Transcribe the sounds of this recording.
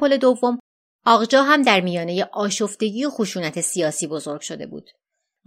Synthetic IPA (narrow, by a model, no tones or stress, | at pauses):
ole̞d̪ovːo̞m | ɒːɣd͡ʒɒːɦæmd̪æɾmijɒːneje̞ʔɒːʃofd̪̥e̞ɟiːoxoʃuːnæt̪ʰe̞sijɒːsiːbo̞zo̞ɾɡ̥ʃod̪e̞̰bṵːd̪̥